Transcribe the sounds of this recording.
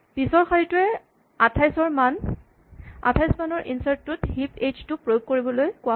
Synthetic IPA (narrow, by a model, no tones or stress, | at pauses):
b̥isɔɹxaɹitʊɛ | atʰajsɔɹman | a̰tʰajsmanɔɹʔinsaɹtːʊthiped͡ʒtʊpɹojoɡ̚koɹibɔlojkʊa